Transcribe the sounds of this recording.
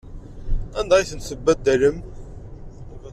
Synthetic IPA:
ænd̪æjθənθəbːæd̪ːæləm

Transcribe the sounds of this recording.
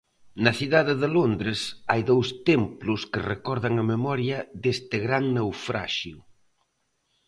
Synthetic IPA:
nɐsiðaðɪðɪlond̪ɾɪsa̰jðowst̪emplʊskɪrekɔɾð̞ɐŋɐmemɔɾjɐðest̪ɪɣɾaŋnewfɾa̰ʃjʊ

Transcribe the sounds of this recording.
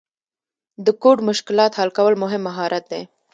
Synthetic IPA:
d̪əkoʈmʊʃkɪlɑt̪halkawəlmʊɦɪmːaɦɑɾʔat̪̚d̪e

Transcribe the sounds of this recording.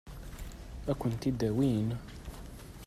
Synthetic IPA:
ɓakuntid̪awina

